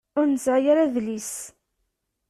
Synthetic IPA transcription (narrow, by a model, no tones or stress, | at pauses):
ʊɾnzajaɾaðlis